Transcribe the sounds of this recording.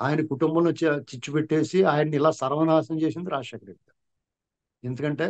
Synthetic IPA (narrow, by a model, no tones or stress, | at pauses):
aːjɐnɐkuʈumbɐnot͡ʃːet͡ʃit͡ʃːupeʈːeːsiaːjɐnniilaːsɐɾʋɐnaːsɐmt͡ʃeːs̬ind̪iɾaːʂɐkɐɾekɡ̪a | e̞nd̪ukɐɳʈe̞ː